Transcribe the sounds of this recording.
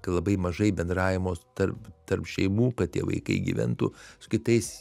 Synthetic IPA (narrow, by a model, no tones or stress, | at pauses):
kɐtlˠɐbɐɪmɐʒɐɪbʲɛnd̪ɾɑːʋʲɪmoːst̪ɐrpt̪ɐrpʃʲɛɪmuːkɐt̪̚tʲiɛʋɐ̰ɪkɐ̰ɪɡʲḭʋʲɛ̰nt̪ṵːsʊ̥kʲɪt̪ɐɪs